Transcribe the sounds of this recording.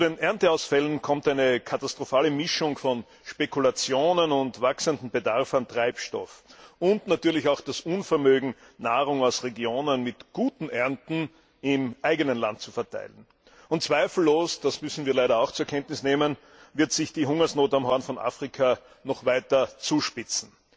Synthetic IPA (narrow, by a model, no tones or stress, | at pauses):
t͡sudeːnʔɛɐntəaʊsfɛlənkʰɔmtæɪnəkʰatastʁ̥ofaːləmɪʃʊŋfɔn | ʃpekʰʊlat͡sjoːnənʊntvaksəndn̩bədaʁfantʁ̥aɪpʃtɔ̰fʊntnatyːɐlɪçaʊxd̥asʔunfɛɐmøːɡŋ̩ | naːʁʊŋaʊsʁeɡjoːnənmɪtɡ̥uːtn̩ʔɛɐntn̩ | ɪmʔaɪɡənənla̰nt̚t͡sufɛɐtʰa̰ɪlən | ʊnt̚t͡sv̥aɪfl̩lːoːsd̥asmʏsn̩viːɐlaɪɾɐɑʊxt͡suɐkʰɛntnɪsneːmən | vɪɐtsɪçd̥iːɦʊŋɐsnoːtamhɔɐnfɔnʔa̰ːfʁ̥ikʰa | nɔχvaɪtɐt͡suːʃpɪt͡sn̩